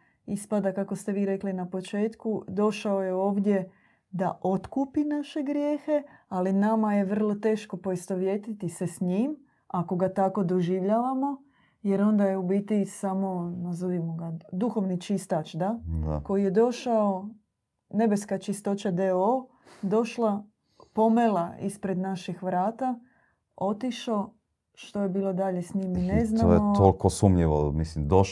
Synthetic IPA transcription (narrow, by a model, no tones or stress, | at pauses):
ispad̪akakost̪eʋiːɾe̞klinapo̞t͡ʃe̞ːt̪kud̪o̞ʃaoje̞o̞ːʋd̪je̞ | d̪aʔo̞t̪kuːpinaʃe̞ɡɾje̞ːxe̞alinamaje̞ʋər̩lˠo̞t̪e̞ːʃko̞po̞ist̪o̞ʋje̞t̪it̪isesɲim | ako̞ɡat̪ako̞d̪o̞ʒiʋʎaːʋamo̞ | je̞ɾo̞nd̪ajeubit̪isamo̞nazoʋimoɡad̪uxo̞ʋnit͡ʃist̪at͡ʃd̪aa̰ko̞jije̞d̪o̞ʃao | ne̞beskat͡ʃist̪o̞t͡ʃad̪eo | d̪o̞ʃla | po̞melaispɾe̞d̪naʃixʋɾaːt̪a | o̞t̪iʃo̞ | ʃt̪o̞jebiːlˠo̞d̪aʎe̞sɲimineznao̰jeolkosumʎeʋo̰mislimd̪o